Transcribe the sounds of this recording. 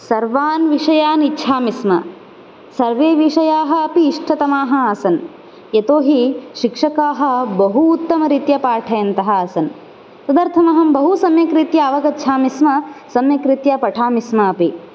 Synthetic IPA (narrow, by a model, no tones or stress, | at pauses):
sɐɾʋaːnʋiʂɐjaːnitːʃʰaːmismɐ̰ | sɐɾʋeːʋiʂɐjaːɦɐːpiːʂʈʰɐt̪ɐmaːɦɐasɐn | jet̪oːɦiʃikʂɐkaːɦɐ̆bɐɦuːt̪ːɐmɐɾit̪jɐpaːʈʰɐjɐnt̪ɐɦɐːsɐn | sɐd̪ɐɾt̪ʰɐmɐɦɐmbɐɦusɐmjɐkɾit̪jɐːʋɐɡɐtːʃʰaːmismɐsɐmjɐkɾit̪jɐpɐʈʰaːmismɐːpi